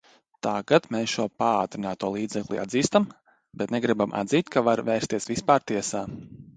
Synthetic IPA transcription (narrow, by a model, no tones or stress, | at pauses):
t̪aɡat̪meːsʃuɔpaaːt̪ɾinaːt̪uɔlˠiːd̪zɛklˠḭa̰d̪ziːst̪am | bɛt̪nɛɡɾibama̰d̪ziːt̪kʰavaɾvɛːɾst̪iɛsvispaːɾt̪iɛsaː